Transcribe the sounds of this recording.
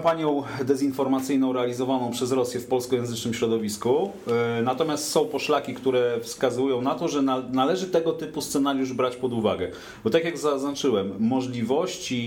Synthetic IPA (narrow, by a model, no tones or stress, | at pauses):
paɲjɔ̃w̃d̪ɛzinfɔɾmat̪sɘjnɔ̃w̃ɾɛalʲizɔvanɔ̃w̃pʂɛzɾɔsʲjɛfpɔlskɔjɛ̃nzɘt͡ʂnɘmɕɾɔd̪ɔvʲisku | nat̪ɔmʲjast̪sɔ̃w̃pɔʂlakʲikt̪uɾɛfskazujɔ̃w̃nat̪ɔʐɛnanalɛʐɘt̪ɛɡɔt̪ɘpust̪sɛnaɾjuʐbɾat͡ɕpɔd̪uva̰ɡɛ | bɔt̪akʲjaɡzaznat͡ʂɘwɛmːɔʐlʲivɔɕt͡ɕi